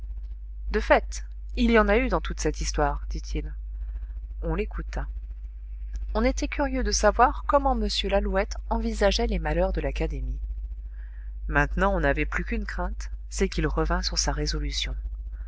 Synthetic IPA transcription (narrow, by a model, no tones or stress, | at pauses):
d̪əfɛt̪ | iljɑ̃nayd̪ɑ̃t̪ut̪sɛt̪ist̪waʁd̪̥it̪ʰil | ɔ̃lekut̪a | ɔ̃net̪ɛkʲʰyʁjød̪əsavwaʁkɔmɑ̃məsjølaluɛt̪ɑ̃vizaʒɛlemalœʁd̪əlakad̪emi | mɛ̃t̪nɑ̃ɔ̃navɛplykynkχɛ̃t̪sɛkilʁəvɛ̃syʁsaʁezɔlysjɔ̃